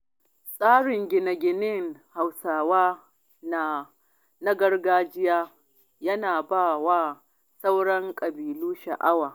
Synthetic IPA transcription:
sʼaː˦ɽɪ˨ŋɡʲɪ˨nɐ˨ɡʲɪ˨nɪ˦ŋha˨wsaː˨waː˦ | na˨ | na˦ɡɐ˦rɡaː˦d͡ʒɪ˦jaː˦ | jɐ˦naː˨baː˦˨waː˦ | sa˦wɽɐ˦ŋkʼɐ˨biː˨luː˦ʃa˨ʔa˦waː˨

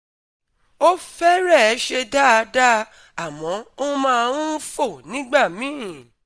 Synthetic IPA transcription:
o˦fɛ˦ɾɛ˦˨ɛ˨˦ʃe˧da˦˧˦da˦ | a˨mɔ̃˨˦o˦mãː˦˧ũ˦fo˦˨nĩ˨˦ɡ͡ba˦˨mĩ˨˦

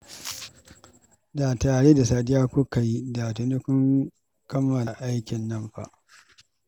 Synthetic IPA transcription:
da˨taː˨ɽe˦da˨saː˨dɪ˦jaː˦kʷʊ˦ka˨ji˦da˨tu˨ni˦kʷʊ˦ŋ | kɐ˦mːɐ˨la˨ʔa˦jkʲɪ˨nːɐ˦mɸa̰˦˨ʔ

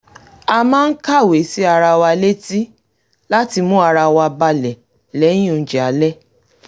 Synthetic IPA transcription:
a˧mãː˦n̩˦ka˦˨we˨si˦a˧ɾa˧wa˧le˦ti˦ | la˦ti˧mũ˦a˧ɾa˧wa˧ba˧lɛ˨ | lɛ̃˨˦ũ˦˨d͡ʒɛ˨a˨˦lɛ˦

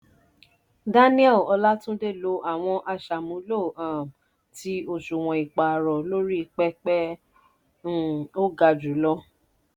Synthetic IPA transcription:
da˦nĩ˦ɛ˦˨ɔ˧la˦tũ˦de˦˨lo˧˦ʔa˨w̃ɔ̃˧ʔa˧ʃa˨mũ˨˦lo˦˨ã˨ | ti˧o˦˨ʃu˨w̃ɔ̃˨i˨k͡pa˨ɾɔ˨lo˦ɾi˦i˧k͡pɛ˦k͡pɛ˦˨ | o˦ɡa˧d͡ʒu˨˦lɔ˦

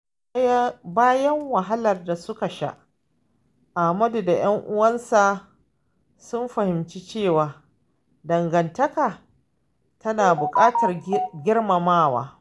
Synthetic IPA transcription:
baː˦jɐ˦ŋwɐ˨ɦa˦lɐ˨rda˨sʊ˦ka˨ʃa̰˦ʔ | ʔa˨mɐ˦du˨da˨j̰ɐ˦ŋʔʊ˦wɐ˦nsa˨ | sʊ˦nɸɐ˨hɪ˨mt͡ʃi˦t͡ʃeː˦˨waː˨ | dɐ˨ŋɡɐ˨ntɐ˦kaː˨ | tʰɐ˦naː˨bʊ˨kʼaː˦tɐ˨rɡʲɪ˦rmɐ˨maː˦˨wa̰ː˦

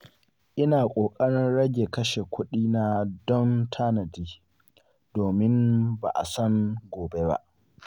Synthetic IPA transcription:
ʔɪ˦naː˨kʷʼoː˨kʼɐ˦ɽɪ˦nɽɐ˦ɡʲe˨kɐ˦ʃe˨kʷʊ˦ɗiː˦na˨dɔ˦ntʰaː˦nɐ˨diː˦ | doː˨mɪ˦mba̰˨ʔa̰˨sɐ˦ŋɡoː˨be˦ba̰˦ʔ

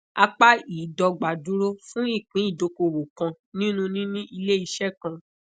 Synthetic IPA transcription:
a˧k͡pa˦i˨dɔ˧ɡ͡ba˨du˨˦ɾo˦fũ˦i˦˨k͡pĩ˨˦i˦˨do˧ko˧˨wo˨kã˧ | nĩ˦nũ˦nĩ˦nĩ˦ʔi˧le˦i˧ʃɛ˦˨kã˧

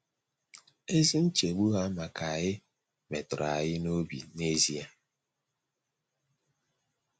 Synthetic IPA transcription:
e˦zi˦n̩˦t͡ʃe˨ɡ͡bu˦ɦa˦ma˨kʰa˨ɣɪ˦ | me˨tʊ˨ɾa˨ɣɪ˦no˦bḭ˨ne˦zi˦a˨

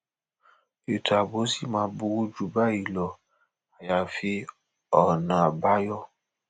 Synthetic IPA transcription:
e˨ta˨bo˨˦si˦˨mãː˧˦bu˧wu˦d͡ʒu˨ba˦˨i˨lɔ˨ | a˨ja˨fi˧ | ɔ˨nã˨a˨ba˨˦jɔ˦

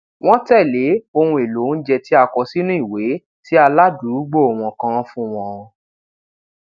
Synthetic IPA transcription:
w̃ɔ̃˦tɛ˦˨le˨˦o˧wũ˧e˨lo˨˦n̩˦d͡ʒɛ˧ti˦a˧kɔ˧si˦nũ˦i˦˨we˨˦ | ti˦a˧la˦du˨˦ɾu˦ɡ͡bo˦˨o˨w̃ɔ̃˨kã˧fũ˦w̃ɔ̃˧ɔ̃˧

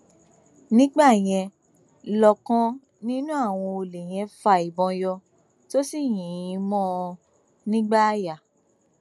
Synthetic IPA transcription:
nĩ˦ɡ͡ba˦˨j̃ɛ̃˧ | lɔ˨kɔ̃˧ | nĩ˦nũ˦a˦˨w̃ɔ̃˧o˧le˨j̃ɛ̃˧fa˧i˨bɔ̃˧jɔ˧ | to˦si˦˨jĩ˨˧mɔ̃˦˧ | nĩ˦ɡ͡ba˦ja˦˨

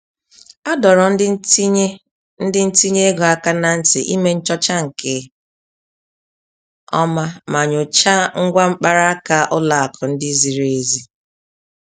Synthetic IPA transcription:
a˦dɔ˨ɾɔ˨n̩˦d | n̩˦dɪ˦n̩˦ti˦ɲe˦e˦ɡɔ˨a˨ka˦na˨n̩˦tɪ˨ʔi˦me˦n̩˦t͡ʃɔ˦t͡ʃa˦ŋ̩˨ke˨˦ | ɔ̰˦ma˦ma˨ɲʊ˨t͡ʃa˦ŋ̩˦ɡʷa˦ŋ͡m̩˦k͡pa˦ɾa˦a˦ka˦ʔʊ˦la˨a˨kʰɔ˨n̩˦dɪ˦zi˨ɾe˦zi˦

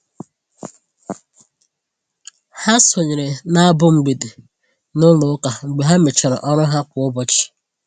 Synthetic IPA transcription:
ha˦so˨ɲe˨ɾe˨na˦a˦bʊ˦ŋ͡m̩˨ɡ͡be˨de˨ | nʊ˦lʊ˦ka˨ŋ͡m̩˨ɡ͡be˨ɦa˦me˨t͡ʃa˨ɾa̰˨ʔɔ˦ɾʊ˦ɦa˦kʷʊ˨ʊ˦bɔ˦t͡ʃɪ̥˨

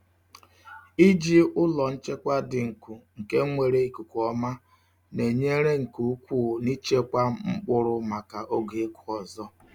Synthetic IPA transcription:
i˦d͡ʒi˦ʊ˦lɔ˨n̩˦t͡ʃe˦kʷa˦dɪ˨ŋ̩˨kʷu˨ŋ̩˨ke˦ŋʷe˨ɾe˦i˦ku˨kɔ˦ma˦ | ne˨ɲe˦ɾe˦ŋ̩˨ku˨˦u˦kʷu˦˨ni˦t͡ʃe˦kʷa˦ŋ͡m̩˦k͡pʊ˦ɾʊ˦ma˨ka˨ʔo˦ɡe˨e˦kʰʊ˨ɔ˨zɔ˦

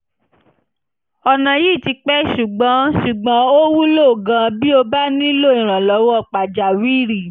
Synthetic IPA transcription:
ɔ˧˨nã˨ji˦˨ti˧˦k͡pɛ˦ʃu˨ɡ͡bã˨˦ʃu˨ɡ͡bã˨˦o˦wu˦lo˦˨ɡã˧bi˦o˧ba˦nĩ˦lo˦˨ĩ˨ɾ̃ã˨lɔ˨˦wɔ˦ɔ˦˧˨k͡pa˨d͡ʒa˨wi˦˨ɾi˦˨

